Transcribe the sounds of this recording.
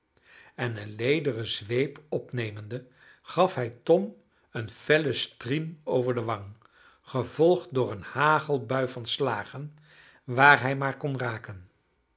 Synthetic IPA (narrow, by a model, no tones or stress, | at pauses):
ɛnənlejdərəzʋejpɔpnejməndə | χɑfɦɛjtɔm | ənfɛləstrimowvəɹdəʋɑŋ | χəv̥ɔlˠχtdʊːɹənhaːχəlˠbœɥvɑnslaːχən | ʋaːɹɦɛjmaːɹkɔnraːkən